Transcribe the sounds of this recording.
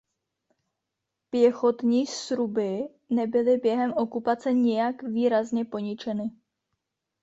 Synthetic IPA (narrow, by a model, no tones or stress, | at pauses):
pjɛxo̞t̪ɲiːsɾubɪ | nɛbɪlɪbjɛɦɛmʔo̞kupat͡sɛɲɪjakviːɾazɲɛpo̞ɲɪt͡ʃɛnɪ